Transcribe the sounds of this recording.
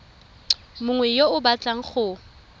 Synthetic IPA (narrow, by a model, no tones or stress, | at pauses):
mʊŋwɛjoʊbat͡ɬaŋ̩χʊ